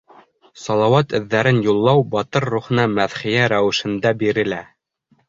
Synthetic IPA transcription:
sɑlˠɑwɑt̪ɘ̆ðːæɾɘnjulˠːɑwbɑt̪ɤɾːuχɤ̆nɑmæðχijæɾæwɘ̆ʃɘ̆nd̪æbiɾɘ̆læ

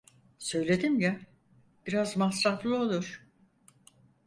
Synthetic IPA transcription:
sø̞jlʲe̞d̪imja | b̥iɾazmasɾaflˠɯo̞lˠuɾ̥

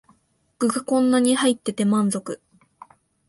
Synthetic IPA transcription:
ɡ̥ɯ̟ɡakõ̞nːaɲ̟ihait̪ːe̞t̪e̞mãnzo̞kɯ̟

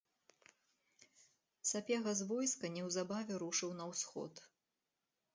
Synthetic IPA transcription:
sapʲɛɣɐzvɔjskɐnʲɛwzabavʲɛɾuʂɨwnɐwsxɔ̰t̪

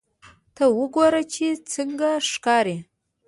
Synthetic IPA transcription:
tʰawʊɡʷaɾat͡ʃʰit͡sʰɨŋɡaʂkʼaɾi

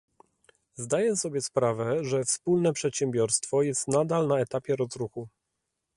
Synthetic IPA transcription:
zd̪ajɛsɔbʲjɛspɾavɛʐɛfspulnɛpʂɛt̪ɕɛmbʲjɔɾst̪fɔjɛst̪nad̪alnaɛt̪apʲjɛɾɔzɾuxu

